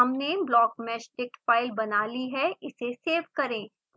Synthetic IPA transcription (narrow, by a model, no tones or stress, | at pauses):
ɐmneblɔːkmɛːʃʈɪk̚ʈfaːɪlbɐnaːliɦɛɪseseːʋkɐɾẽː